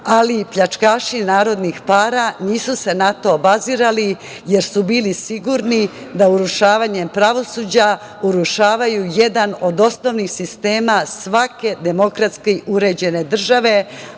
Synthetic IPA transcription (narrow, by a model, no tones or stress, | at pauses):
alipʎat͡ʂkaːʃinaːɾo̞d̪nixpaːɾaniːsuse̞nat̪o̞baziːɾali | je̞ɾsubiːlisiɡuɾni | d̪auɾuʃaːʋaːɲe̞mpɾaʋo̞suːd͡ʑa | uɾuʃaːʋajuje̞d̪ano̞d̪o̞sno̞ʋnixsist̪e̞ːmasʋake̞d̪e̞mo̞kɾat̪skeiuɾe̞ːd͡ʑe̞ne̞d̪r̩ʒaʋe̞